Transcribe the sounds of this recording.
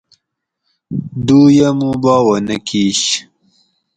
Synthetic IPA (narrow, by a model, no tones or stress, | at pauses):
d̪uːjamũbɑːwɐnɐkiɕ